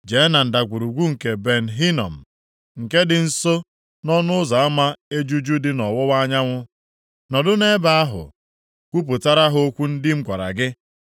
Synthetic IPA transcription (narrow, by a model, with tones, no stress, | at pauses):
d͡ʒe˨˦na˨n̩˨da˨kʷu˨ɾu˨ɡʷu˦ŋ̩˨ke˨be˨n̩˨ɦi˦nɔ̰˨m̩˨ | ŋ̩˨ke˦dɪ˨n̩˦so˦ | nɔ˦nʊ˦ʊ˦za˨a˦ma˦e˦d͡ʒu˦d͡ʒu˦dɪ˦nɔ˨wɔ˦wa˦ɲa˦ŋʷʊ˦ | nɔ˨dʊ˦ne˦ba˦a˦ɦʊ̰˨ | kʷu˦p̬ʊ˨ta˦ɾa˦ɦʊ˦o˦kʷu˦n̩˦dɪ˦ŋ͡m̩˦kʷa˨ɾa̰˨ɡɪ˦